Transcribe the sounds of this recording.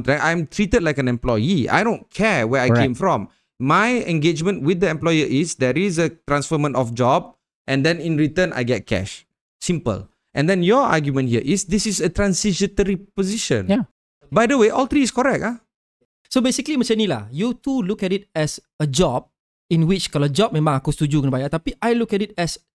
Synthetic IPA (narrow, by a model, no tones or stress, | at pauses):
nt̪ɾɛk̚ãj̃mtʰɹitəd̚lajkɛ̃nɛ̃mplɔjia̰jdõnkʰɛwɛajkẽmfɹɔ̃mː | ajɛ̰̃ŋɡed͡ʒmə̃ntwit̪̚dəɛ̃mplɔjəʔisdɛɹisətɹãnsfəmə̃ntɔfd͡ʒɔb̚ | ʔɛ̃ndɛ̃nĩnɹitə̃nʔa̰jɡɛt̚kʰɛ̰ʃ | sĩmpə̰l | ʔɛ̃ndɛ̃njɔa̰ɡjumə̃nhiəʔisdisisətɹãnsid͡ʒə̃təɹipɔziʃə̰̃n | bajdəweʔɔlt̪ɹiːskɔɹɛk̚ta | sobesikəlimət͡ʃɛ̃nila̰hjutulukɛtit̚ɛs | əd͡ʒɔb̚ | ĩnwit͡ʃkalad͡ʒɔp̚mɛ̃mãŋakost̪ud͡ʒukɔ̃nbajat̪apiʔajlukɛtit̚ɛs